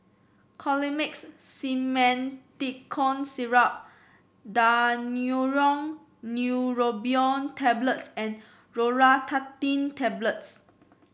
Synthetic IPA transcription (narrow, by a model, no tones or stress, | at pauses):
kʰɔlimiksːimɛ̃ntikʰɔ̃nsiɹap̚ | danuɹɔ̃ŋ | njuɹobiɔ̃ntʰɛblətsɛ̃n | ɹoɹatʰatĩntʰɛbləts